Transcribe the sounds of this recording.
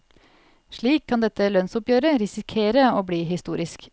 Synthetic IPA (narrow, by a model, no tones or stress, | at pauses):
ʂɭiːkʰːɑnd̪ɛt̪ːəlœnsʊpjøːɾəɾɪsɪkʰeːɾəoːbliːɦɪst̪uːɾɪsk